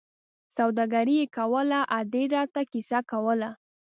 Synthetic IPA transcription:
sawd̪ɑɡaɾijekawəlaʔad̪eɾɑt̪akisakawəla

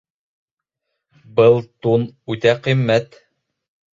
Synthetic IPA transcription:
bɤlˠt̪unʉt̪æqimːæt̪

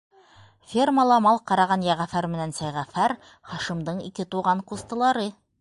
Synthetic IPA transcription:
fʲirməlˠɑmɑlˠqɑɾɑʁɑnjæʁæfæɾmɘ̆nænsɑjʁæfæɾ | χɑʃimd̪ɤɴḭkɘt̪uʁɑɴqust̪ɤ̆lˠɑɾɤ

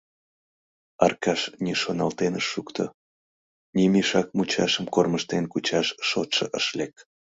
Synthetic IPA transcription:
ɑ̰rkɑʃnʲiʃonɑlt̪enəʃːukt̪ʰo̰ | nʲimiʃɑk̚mut͡ɕɑ̰ʃəmkorməʃt̪enkut͡ɕɑʃːot̪ʃə̰ʔəʃlek

